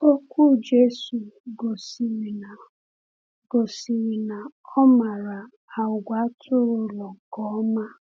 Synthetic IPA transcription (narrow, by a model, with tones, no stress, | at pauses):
o˦kʷu˦˨d͡ʒe˦su˨ɡo˨si˨mi˨na˨ | ɡ̥o˨si˨mi˨na˨ɔ˦ma˨ɾa˨ | a˨ʊ˨ɡʷa˨˦tʰʊ˦ɾʊ˦lɔ˨ɡɔ˨˦ma˦